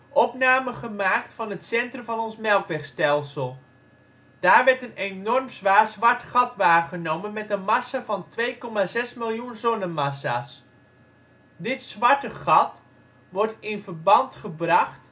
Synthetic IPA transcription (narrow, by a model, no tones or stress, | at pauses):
ʔɔpnaːməχəmaːktfɑnətsɛntrəmvɑnɔnsmɛlˠkʋɛχstɛlˠsəlˠ | d̥aːɹʋɛɹtənenɔrmzʋaːɹzʋɑɹtχɑtʋaːrχənowmənmɛtənmɑsavɑntʋejkɔmazɛsmɪlˠjunzɔnəmɑsa̰s | dɪtsʋɑɹtəχɑt | ʋɔɹtɪnvəɹbɑntχəbrɑχt